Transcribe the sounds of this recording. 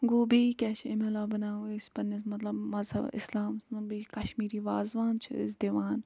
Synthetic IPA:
ɡoːbikɛːt͡ʃʰɪmelaːbɐnaːuespɐnismɐt̪lɐbmɐzɦɐ̰bɪ̰slaːmsbiːkɐʃmiːɾiːʋaːzʋaːnt͡ʃʰɨ̰ɪ̰sd̪eʋaːn

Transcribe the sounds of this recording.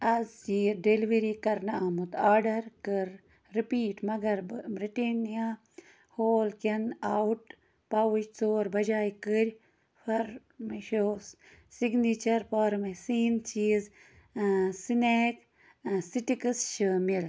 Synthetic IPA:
ɐzd͡ʒiːɖeliʋeɾikɐɾnɐamut̪aːɖɐɾkɨɾ | ɾipiːʈmɐɡɐɾbɾiʈenija | hoːlkɐnawʈ | pawɨt͡ʃt͡soːɾbɐd͡ʒaːjkəɾʲ | fɐɾ | meʃoːs | siɡnit͡ʃɐɾpɐɾmesiːnt͡ʃiːz | sineːk | siʈikɨsʃɨmil

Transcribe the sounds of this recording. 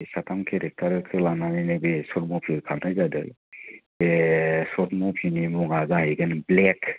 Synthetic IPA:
satʰamkʰeɾek̚tʰaɾɯkʰɯlananinɯbesɔt̚mɔpʰikʰanajzadɯ̰ | esɔt̚mɔpʰinimuŋazahejɡɯnblek

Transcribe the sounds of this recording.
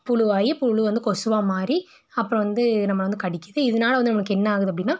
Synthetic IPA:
pʊɻʊʋaːjipʊɭɯʋɐnd̪ɯkɔsɯʋaːmaːɾi | ɐpːɯɾɔ̃ʋɐnd̪ɯnɐmːɐʋɐnd̪ɯkɐɽɪkʲːɐðɯɪðɐnaːlɐʋɐnd̪ɯnɐmɐɭɯkːɛnːɐaːɣɯðɯɐp̬ːɐɽɪnːaː

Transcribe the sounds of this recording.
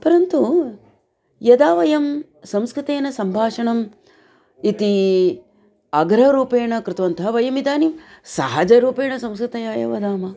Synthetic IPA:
pɐɾɐnt̪u | jɐd̪aːʋɐjɐm | sɐ̃mskɾɪt̪eːnɐsɐmbʱaːʂɐɳɐm | it̪i | ɐɡɾɐɾuːpeːɳɐkɾɪt̪ʋɐnt̪ʰɐɦɐʋɐjɐmid̪aːnimsɐɦad͡ʒɐɾuːpeːɳɐsɐ̃mskɾɨt̪ɐjaːjɐ̰ʋɐd̪aːmɐ

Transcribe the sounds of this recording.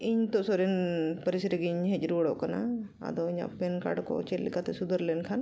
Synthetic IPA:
iɲt̪ɔʔsɔɾɛnpəɾisɾəɡiɲɦɛt͡ʃɾuɽɔʔkana̰ | a̰d̪ɔiɲa̰ʔpɛnka̰ɽkɔ̰t͡ʃɛllḭkat̪ɛsud̪əɾlɛnkʰan

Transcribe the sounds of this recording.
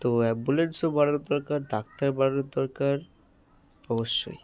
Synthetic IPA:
t̪oɛbbulensobaɽonod̪ɔɾkaɾd̪ak̚t̪aɾbaɽonod̪ɔɾkaɾ | ɔboʃːo̰j

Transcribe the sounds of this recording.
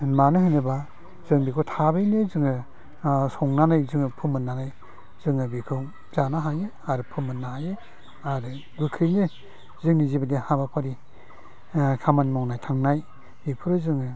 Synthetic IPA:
manɯhɯjnɯba | zɯŋbikʰɯwtʰabɯjnezɯŋɯ | sɔŋnanajzɯŋɯpʰɯmɯnːanaj | zɯŋɯbikʰɯw | zanaɦaje | aɾupʰɯmɯnːahaje | aɾɯ | ɡɯkʰɯjne | zɯŋnizibadihabapʰaɾi | kʰamanmɔŋnajtʰaŋnaj | bikʰuɾɯzɯŋɯ

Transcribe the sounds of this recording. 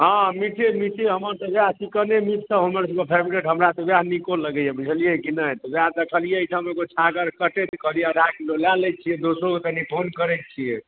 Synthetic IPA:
ɦãmiʈʰemiʈʰeɦəməɾsəbjaɦsikənemiʈʰsəbɦəməɾsəbkepʰeɾbiɾeʈɦəmɾat̪əbjaɦnikoləɡəjebit͡ʃʰəlijekinəɦt̪objaɦd̪əkʰəlijet͡ʃʰəmeɡot͡ʃʰaɡəɾkəʈɛt̪kʰəlijeəd̪ʱakelolalɛjt̪̚t͡ʃʰied̪osɾoket̪ənipʰonkəɾɛt̪̚t͡ʃʰije

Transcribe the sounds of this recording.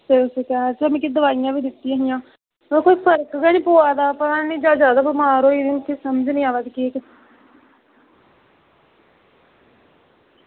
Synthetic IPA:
seosekɛt͡ʃəmẽːked̪əʋaːijãːʋiːd̪ɪt̪ːiãːɦɪjãː | koːiːpʰəɾkɡɛɽĩːpoːaːd̪aːpəãːnĩːd͡ʒaːd͡ʒaːd̪aːbəmaːɾoːid̪iːmt̪ʰːeːsəməd͡ʒnĩːaːʋad̪ikekɪ

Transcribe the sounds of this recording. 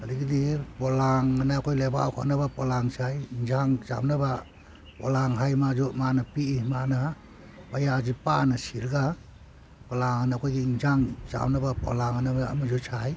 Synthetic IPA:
adiɡidipɔlaŋanaːkʰɔjleba̰wkʰɔ̰nabapɔlaŋsʰajŋd͡ʒaŋza̰wnaba | pɔ̰laŋɦajmazɔmanapiimana | bajad͡ʒipanasiɾɡa | pɔlaŋanakʰɔjɡiiŋzaŋza̰wnabapɔ̰laŋanaa̰mad͡ʒɔt͡ʃʰaj

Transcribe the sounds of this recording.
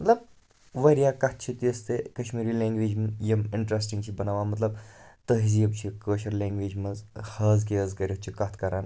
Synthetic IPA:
mɐt̪lɐb | ʋɐɾjaːkɐt̪̚ʰt͡ʃʰit̪iəst̪ekɐʃmiːɾiːlẽːŋɡʋeːd͡ʒmjɐmɪɳʈɾes̬ʈiŋɡt͡ʃʰibɐnaːʋaːmɐt̪lɐbt̪əɦizjɐb̚t͡ʃʰikəːʃɐɾlʲẽːŋɡʋeːd͡ʒmɐzhɐːzkeəzkɐɾʲɐt͡ʃʰikɐt̪ʰkɐɾʔaːn

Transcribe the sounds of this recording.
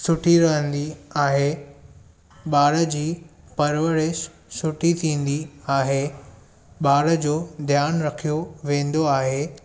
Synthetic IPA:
sʊʈʰiɾɐɦə̃nd̪iaːɦe | ɓaːɾə̆d͡ʑiː | pɐɾʋəɽe | sʊʈʰit̪ʰĩːn̆d̪iaːɦe | ɓaːɾə̆d͡ʑoːd̪ʱjaːnɾɐkʰijoʋẽːn̆d̪oaːɦeː

